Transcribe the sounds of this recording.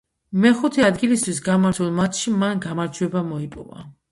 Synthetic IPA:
mɛχut̪ʰɛad̪ɡilist̪ʰwisɡamaɾt̪ʰulˠmat̪ʰʃimanɡamaɾd͡ʒʰuɛbamɔipʼɔ̰va̰

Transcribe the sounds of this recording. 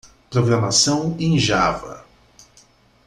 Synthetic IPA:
pɾoɡɾɐmasɐ̃w̃ẽj̃ʒavɐ̰

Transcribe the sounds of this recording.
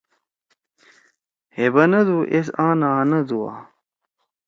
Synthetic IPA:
hebɐnɐd̪uʔesãːnaːnɐd̪uwa̰ː

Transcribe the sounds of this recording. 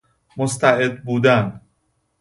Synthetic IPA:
most̪ʰæʔed̪̚buːd̪æn

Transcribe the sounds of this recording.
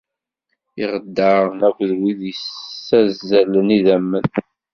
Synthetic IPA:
iʁəd̪ːəʁnækʷːðwiðjəsːæzːæləniðæmːən

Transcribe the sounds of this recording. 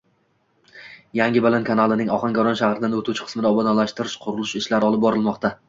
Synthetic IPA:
jaŋʲɪbɪlankʰanalˠɪnɪŋɒχɑŋkʲɒɾɒnʃahɾɪd̪anot̪ut͡ʃʰɪqʰɨ̥smɪd̪aɒbɒd̪alaʃt̪ɪɾɪʃqʰʊɾʊlˠɪʃɪʃlaɾɪɒlˠɪp̚bɒɾɪlˠmɒqt̪ʰa

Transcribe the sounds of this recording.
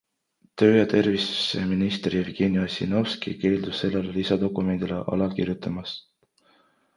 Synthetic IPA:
t̪ø̞ːjɑt̪e̞rvisu̥seminist̪rjevɡ̥enijosḭnowskḭke̞ːld̪̥usːe̞lːelelisɑd̪o̞kːˑume̞nd̪̥ilḛʔɑ̰lɑkirjut̪ːˑɑmɑs

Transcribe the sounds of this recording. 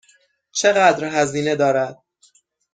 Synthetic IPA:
t͡ʃʰe̞ɣæd̪ɾɦæziːne̞d̪ɒːɾæd̪̥̚

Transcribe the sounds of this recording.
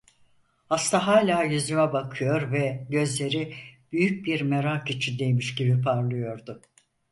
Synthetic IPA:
hast̪ʰaɦaːlʲaːjyzymɛbakʰɯjo̞ɾvɛɟø̞zlʲe̞ɾib̥yjyc̚biɾmeɾakit͡ʃʰind̪ejmiʃɟibipʰaɾlˠɯjo̞ɾd̪ʊ

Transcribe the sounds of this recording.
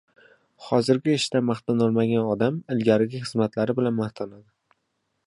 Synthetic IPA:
hɒzɪɾɡʲɪɪʃt̪amaχt̪ɑnɒlˠmaɡʲanɒd̪amɪlɡʲaɾɪɡʲɪχɨzmat̪laɾɪbɪlanmaht̪ʰanad̪ɪ

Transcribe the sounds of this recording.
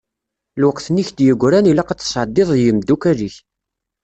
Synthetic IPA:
lwəqθniçd̪jəɡʷːɾænilaqɑt͡sːsʕd̪ːɪðˤjəmd̪ukæliç

